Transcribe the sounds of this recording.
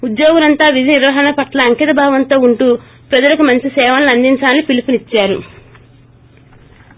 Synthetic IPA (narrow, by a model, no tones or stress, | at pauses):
ud̪joːɡulɐnt̪aːʋid̪ʱiniɾʋɐɦɐɳɐpɐʈlɐɐŋkɐt̪ɐbʱaːʋɐnt̪o̞ːuɳʈuː | pɾɐd͡ʒɐlɐkumɐɲt͡ʃisɛːʋɐanlɐnd̪iɲt͡ʃaːnːipilipunit͡ʃːaːɾu